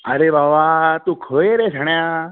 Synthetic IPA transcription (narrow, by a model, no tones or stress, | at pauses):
əɾebaʋat̪ũkʰəeɾed͡ʒʰʱəɳja